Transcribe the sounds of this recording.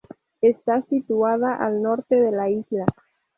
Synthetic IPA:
est̪asit̪uað̞aʔalnoɾt̪eðelaizla

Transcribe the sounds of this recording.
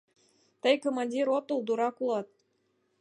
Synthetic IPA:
t̪əjkomɑnʲdʲiɾot̪ulˠd̪uɾɑkulˠɑt̪̚

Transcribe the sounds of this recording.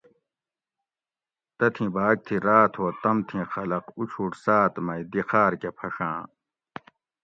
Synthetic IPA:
t̪ɐt̪ʰĩbʱaːɡ̚t̪ʰĩɾaːt̪ʰoːt̪ɐmt̪ʰĩxɐlɐqut͡ɕʰuʈsaːt̪mɐid̪ixaːɾkepʰɐʂãː

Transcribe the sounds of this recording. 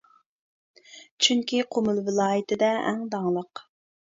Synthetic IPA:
t͡ʃʰyŋkʲiqʰomʊlˠvɪlˠɑːjɪt̪ʰɪd̪ɛɛ̰ŋd̪ɑŋlˠəq

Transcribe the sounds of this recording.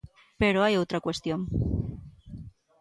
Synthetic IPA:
pe̞ɾo̞ajowt̪ɾakwe̞st̪jo̞m

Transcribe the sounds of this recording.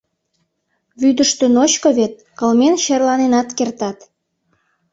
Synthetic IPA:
βyd̪əʃt̪ə̆not͡ɕkoβet̪̚ | kəlmenɕerlɑnenɑt̪kert̪ɑt̪

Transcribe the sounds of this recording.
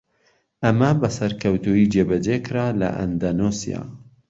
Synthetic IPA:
ʔɐmɐbɐsɐɾkʰɐwt̪uiːd͡ʒeːbɐd͡ʒekʰɨɾaːlɐ̰ʔɐ̰nd̪anosḭja̰ː

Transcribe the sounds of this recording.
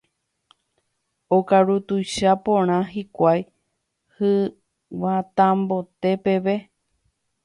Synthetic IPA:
okaɾut̪uʃapõɾ̃ãɦikʷaj | hɨ | wat̪ãmbo̞t̪e̞pe̞ʋe̞

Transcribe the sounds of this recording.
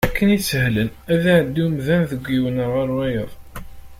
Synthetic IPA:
ækːənisəhlənæðæʕd̪ːumðænðəɡʷːiwənəɾʁəɾwæjəðˤ

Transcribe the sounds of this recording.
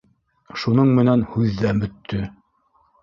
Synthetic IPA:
ʃunɤɴmɘ̆nænhʉðːæmɵ̆t̪ʰːɵ

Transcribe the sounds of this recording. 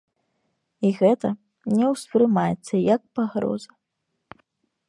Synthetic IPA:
iɣɛt̪ɐ | nʲɛwspɾɨmajɛt̪sːɐjɐk̚paɣɾɔ̰zɐ

